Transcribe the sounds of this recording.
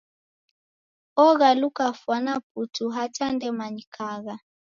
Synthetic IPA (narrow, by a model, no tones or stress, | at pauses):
ɔɣalukafwanap̚utuɦatandɛmaɲikʰaɣa